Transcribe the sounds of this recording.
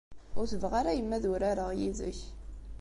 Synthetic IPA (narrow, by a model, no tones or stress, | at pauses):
ʊɾθəvʁaɾæjəmːæðʊɾaɾəʁjiðə̰ç